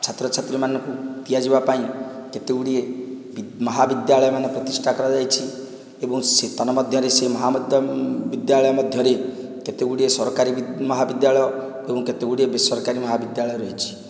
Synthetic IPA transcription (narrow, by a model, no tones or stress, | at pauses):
t͡ʃʰat̪ɾɔt͡ʃʰat̪ɾimanɔ̃ŋkut̪ijad͡ʒibapaĩket̪eɡuɽie | mɔɦabid̪jaɭɔjɔmanɔpɾɔt̪isʈʰakɔɾɔd͡ʒajt͡ʃʰi | ebɔŋset̪ɔnɔmɔd̪ʱjɔɾesemɔɦamɔd̪ʱjɔbid̪jaɭɔjɔmɔd̪ʱjɔɾe | ket̪eɡuɽiesɔɾɔkaɾibmɔɦabid̪jaɭɔjɔ | ebɔ̃ŋket̪eɡuɽiebesɔɾkaɾimɔɦabid̪jaɭɔjɔɾɔɦet͡ʃʰi̥